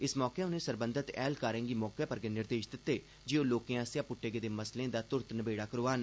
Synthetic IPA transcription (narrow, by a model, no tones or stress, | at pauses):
ɪsmɔːkeːʊnẽːsəɾbənd̪ʱət̪ɛ̰ːlkaːɾẽːŋɡiːmɔːkeːpəɾɡeːnɪɾd̪eːʃd̪ɪt̪ːeː | d͡ʒioːloːkẽːaːsjãːpʊʈːeːɡeːd̪eːməslẽːd̪aːt̪ʊɾt̪nəbeːɽaːkəɾoːʋaːn